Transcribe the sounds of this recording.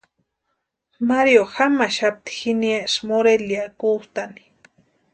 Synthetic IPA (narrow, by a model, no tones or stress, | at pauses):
maɾjoxamaʃap̚t̪i̥xinjasmoɾeljakut̪ani̥